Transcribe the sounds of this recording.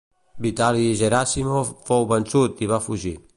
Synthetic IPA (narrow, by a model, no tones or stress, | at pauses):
bit̪aliʒeɾasimofowβənsut̪iβafuʒi